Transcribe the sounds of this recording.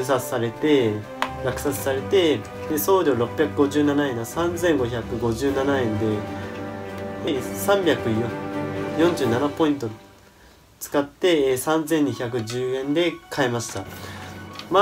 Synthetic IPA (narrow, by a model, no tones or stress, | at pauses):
sat͡sɨ̥saɾe̞t̪e̞ | ɡakɯ̟sat͡sɨ̥saɾe̞t̪e̞ | d̪eso̞ːɾʲo̞ːɾo̞pʲːjakɯ̟ɡo̞ʑɨːnanaẽ̞nsãnd͡zẽ̞ŋɡo̞çakɯ̟ɡo̞ʑɨːnanaẽ̞nd̪e̞ | esãmbʲjakɯ̟jojõɲ̟d͡ʑɨːnanapo̞ĩnt̪̬o̞ | t͡sɨ̥kat̪ːe̞sãnd͡zẽ̞ɲ̟ːiçak̬ɯ̟ʑɨːẽ̞nd̪e̞kʰaemaɕi̥t̪a | ma